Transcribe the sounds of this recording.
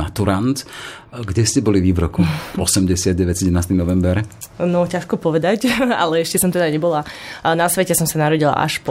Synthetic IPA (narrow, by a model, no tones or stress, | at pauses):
at̪uɾant̪ɡɟɛscɛbɔliʋiʋɾɔkuɔsɛmɟɛsɪad̪̚ɟɛʋɛsɛɟɛnaːst̪inɔʋɛmbɛɾnɔcaʃkɔpɔʋɛd̪aca̰lɛɛʃcɛsɔmt̪ɛd̪aɲɛbɔlanasʋɛcɛsɔmsanaɾɔɟila̰ʔa̰ʃpɔ